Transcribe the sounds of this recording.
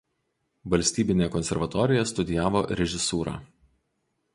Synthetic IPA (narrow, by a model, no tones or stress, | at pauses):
ʋɐlʲsʲt̪ʲiːbʲɪnʲeːkɔnʲsʲɛɾʋɐt̪ɔːɾʲɪjɛst̪ʊd̪ʲɪjæːʋoːɾʲɛʒʲɪsuːɾɑ̰ː